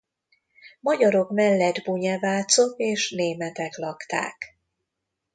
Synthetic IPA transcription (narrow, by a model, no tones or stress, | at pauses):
mɒɟɒɾo̞kmɛlːɛd̪buɲɛvaːt̪so̞keːʃneːmɛt̪ɛklɒkt̪a̰ːk